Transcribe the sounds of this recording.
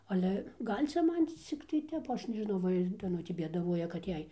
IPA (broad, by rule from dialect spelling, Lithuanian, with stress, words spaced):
ɐˈlʲɛ ˈɡɐlʲ ˈt͡sʲɛ ˈmɐn ˈt͡sʲɪktɐɪ ˈtʲɛp ˈɐʃ nʲɛʒʲɪˈnɐʊ ˈʋɐ ɪr dɐˈnʊtʲeː bʲeːdɐˈʋuɔjɛ kɐt ˈjɛɪ